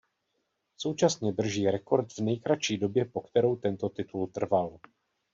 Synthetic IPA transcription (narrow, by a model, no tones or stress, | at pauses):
so̞wt͡ʃasɲɛd̪r̩ʒiːɾɛko̞ɾt̪vnɛjkɾat͡ʃiːdo̞bjɛpo̞kt̪ɛɾo̞wt̪ɛnt̪o̞t̪ɪt̪ult̪r̩val